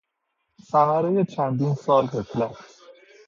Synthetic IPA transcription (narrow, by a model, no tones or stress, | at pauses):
sæɣæɾeje̞t͡ʃʰænd̪iːnsɒːlhet̪ʰlæs